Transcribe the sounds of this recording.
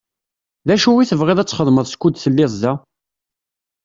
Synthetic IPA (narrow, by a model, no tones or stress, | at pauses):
ðæʃuwiθəvʁeðæt͡sːχəðˤməðˤskʷːud̪θəlːɪzˤːæ